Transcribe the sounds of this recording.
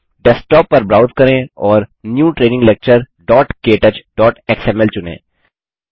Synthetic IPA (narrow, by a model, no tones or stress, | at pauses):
ɖɛsʈɔːpːɐɾbɾaːʊzkɐɾẽːɔːɾnjuːʈɾeːnɪ̃ŋɡlek̚t͡ʃəɾ | ɖɔːʈkeːʈət͡ʃɖɔːʈeksɛːmɛlt͡ʃʊnḛ̃ː